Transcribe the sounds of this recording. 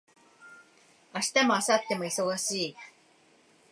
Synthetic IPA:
aɕi̥t̪amoasat̪ːe̞moiso̞ɣaɕiː

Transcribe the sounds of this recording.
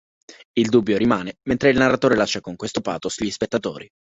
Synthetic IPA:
ild̪uːbːjoɾimaːnement̪ɾeilnarːat̪oːɾelaʃːakoŋkwest̪opa̰ːt̪osuʎːispet̪ːat̪o̰ːɾi

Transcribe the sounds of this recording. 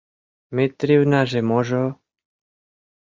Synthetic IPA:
met̪ɾiwnaʒɛmɔʒɔ

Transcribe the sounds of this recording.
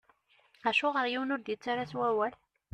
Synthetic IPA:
æʃuʁəɾjiwnʊɾðit͡sːaɾaswæwæl

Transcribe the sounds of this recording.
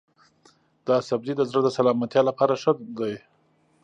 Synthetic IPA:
d̪ɑsab̚d̪id̪əzɾəd̪əsalɑmat̪jɑlapɑɾaʃəd̪aj

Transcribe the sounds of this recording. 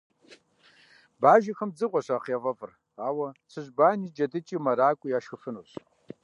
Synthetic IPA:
baːʒɐxɐmd͡zɨqʷʼɔɕaːχiɐvɐvɨr | aːwɐt͡sʰɨʑbaːniːd͡ʒɐdɨt͡ʃʼiːmɐɾaːkʷʼʊjaːʃxɨfɨnuɕ

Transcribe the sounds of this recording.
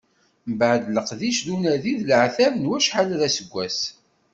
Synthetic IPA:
mbʕd̪ləqðiʃðunæðiðlʕθævnwæʃħalðæsəɡʷːæs

